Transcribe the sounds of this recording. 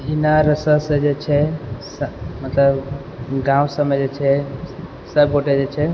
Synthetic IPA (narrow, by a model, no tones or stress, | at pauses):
inaɾəsəsə̃d͡ʒet͡ʃʰɛsmət̪ləb | ɡãwsəmed͡ʒet͡ʃʰɛ | səb̚ɡʱoʈed͡ʒet͡ʃʰɛ